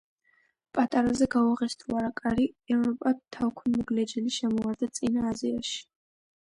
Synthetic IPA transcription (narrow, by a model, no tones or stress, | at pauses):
pʼat̪ʼaɾazɛɡauʁɛst̪ʰuaɾakʼaɾiɛvɾɔpʼat̪ʰawkʷʰnmɔɡlɛd͡ʒɛliʃɛmɔwaɾd̪at̪sʼinaːziaʃi̥